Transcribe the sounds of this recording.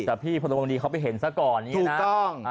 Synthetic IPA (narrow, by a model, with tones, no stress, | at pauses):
tɛː˨˩pʰiː˥˩pʰa˧o˧ŋdiː˧kʰa˦˥wpa˨jɦe˩˦nsa˦˥˩kɔː˨˩nːi˦uː˥˨˩na˦˥ɔ˥˩ŋ˧